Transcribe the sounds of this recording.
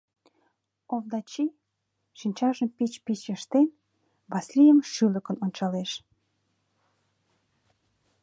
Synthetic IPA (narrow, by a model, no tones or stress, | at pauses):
ovd̪ɑt͡ɕi | ʃinʲt͡ɕɑʒəmpit͡ɕpit͡ɕjə̆ʃt̪en | βɑslʲijəmʃylə̆kə̆nont͡ɕɑleʃ